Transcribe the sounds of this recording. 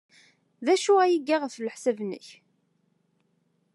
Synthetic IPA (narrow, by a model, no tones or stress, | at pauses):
ðæʃuæjiɡːaʁəθləħsævnə̰ç